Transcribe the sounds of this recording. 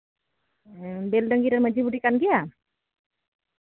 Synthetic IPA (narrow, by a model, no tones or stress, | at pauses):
belɖəŋɡiɾəɾməd͡ʒibuʈikanɡija